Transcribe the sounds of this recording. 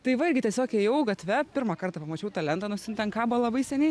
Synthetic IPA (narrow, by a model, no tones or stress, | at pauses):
t̪ɐɪʋɐɪɾʲɡʲɪt̪ʲiɛsʲoːkʲɛjɛʊɡɐt̪ʲʋʲɛpʲɪrɾmɐkɐrt̪ɑpɐmɐt͡ʃʲɛʊt̪ɐlʲɛnt̪ɑːnʊsʲɪnt̪ʲɛnkɑːbʊɐlˠɐbɐɪsʲɛnʲɛɪ